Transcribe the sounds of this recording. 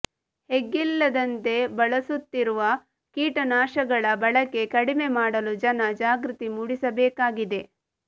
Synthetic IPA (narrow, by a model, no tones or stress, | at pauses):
heɡːilːɐd̪ɐnt̪e̞bɐɭɐsut̪ːiɾuʋɐ | kiːʈɐnaːʃɐɡɐɭɐbɐɭɐkːe̞kɐɽime̞maːɽɐlud͡ʒɐnɐd͡ʒaːɡɾut̪imuɽisɐbɛːkaːɡid̪e̞